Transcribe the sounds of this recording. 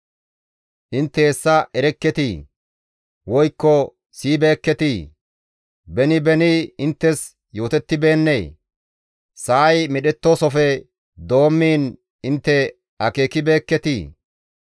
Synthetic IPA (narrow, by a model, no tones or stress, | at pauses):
ʔɪnt̪ːɛːsːɐʔɛɾɛkːɛt̪i | wɔjkːɔ | siːbe̞ːkːɛt̪i | bɛnɪbɛnɪɪnt̪ːɛs | jo̞ːt̪ɛt̪ːɪbe̞ːnːeː | saːjmɛɗɛt̪ːoːsɔfɛ | d̪o̞ːmːiːn | ɪnt̪ːɛ | ɐke̞ːkɪbe̞ːkːɛt̪iː